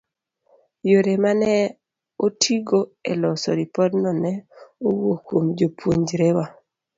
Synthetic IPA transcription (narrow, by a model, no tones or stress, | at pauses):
joɾemanɛ | otʰiɡoelɔsɔ̰ɾipɔdnɔnɛowokwomd͡ʒopwoɲd͡ʒɾewa